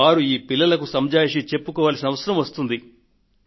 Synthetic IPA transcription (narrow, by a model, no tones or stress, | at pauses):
aːɾuiːpilːɐlɐkusɐmd͡ʒaːjʂit͡ʃe̞pːukɔːʋaːlsinɐʋɐsɐɾɐmʋɐst̪und̪i